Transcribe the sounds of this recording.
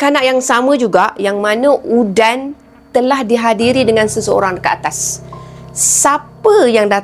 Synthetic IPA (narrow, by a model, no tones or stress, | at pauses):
kanaʔjaŋsamə̃d͡ʒuɡaʔjaŋmanə̃ʔudan | t̪əlahdiɦadiɾidəŋãnsəsəo̰ɾaŋkəa̰t̪asː | apəjaŋda